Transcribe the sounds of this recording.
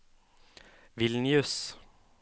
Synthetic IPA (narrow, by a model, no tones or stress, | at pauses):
vɪlnɪʉs